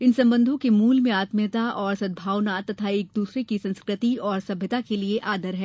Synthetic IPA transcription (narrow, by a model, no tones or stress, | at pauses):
ɪnsɐ̃mbə̃nd̪ʱõkemuːlmẽaːt̪mjət̪aɔːɾsɐd̪̚bʱaːwnat̪ɐt̪ʰaeːk̚d̪uːsɾekisɐ̃nskɾɪt̪iɔːɾsɐbʱjət̪akelieʔaːd̪ʱəɾɦɛː